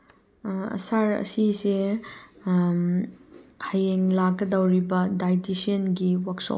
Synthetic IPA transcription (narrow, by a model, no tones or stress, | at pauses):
ɐ̰saɾɐ̰sise | hajeŋlakːɐdɐwɾibɐdajtisienɡiwakso̰